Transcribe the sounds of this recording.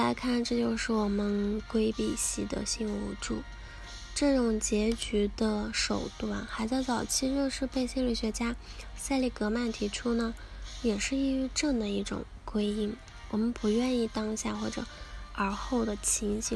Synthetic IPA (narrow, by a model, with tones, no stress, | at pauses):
la˧˥ɪkʰa˥˧nʈ͡ʂɤ˥˧t͡ɕjo˥˧ʊʂɻ̩˥˩wɔ˨˩mə˦nkwe˥ɪpi˨˩ɕi˧˥d̪ə̰˧ɕi˥˧ŋṵ˧˥ʈ͡ʂu˥˩ | ʈ͡ʂɤ˥˩ʈ͡ʂʊ˨˩ŋt͡ɕjɛ˧˥t͡ɕy˧˥d̪ə˧ʂo˨˩ʊt̪wa˥˩nxa˧˥ɪt͡st͡sɑ˨˩ʊt͡ɕʰi˥˧t͡ɕjo˥˧ʊʂɻ̩˥˧pe˥˧ɪɕi˥˧li˥˩ɕɥɛ˧˥t͡ɕja˥sa˥˧ɪli˥˩kɤ˧˥ma˥˩nt̪ʰi˧˥ʈ͡ʂʰu˥nə˨ | jɛ˨˩ʂɻ̩˥˧i˥y˧˥ʈ͡ʂɤ˥˩d̪ə˩i˥˩ʈ͡ʂʊ̰˨˩ŋkwe˥ɪi˥˩ŋ | wɔ˨˩mə˧˦npu˧˥ɥɛ˥˧ni˥˩t̪ɑ˥ŋɕja˥˧xwɔ˥˩ʈ͡ʂɤ̰˨˩˦ə˞˧˥xo˥˩ʊd̪ə˩t͡ɕʰi˧˥ŋɕʰi˧˥